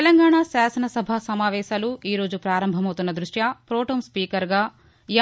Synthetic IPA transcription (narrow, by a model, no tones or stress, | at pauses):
elɐŋɡaːɳasaːsɐnɐsɐbʱaːsɐmaːʋɛːʃaːluiːɾo̞ːd͡ʒupɾaːɾɐmbʱɐmɐwt̪unːɐd̪ɾuʂjaːpɾoːʈoːmspiːkɐɾɡaː | j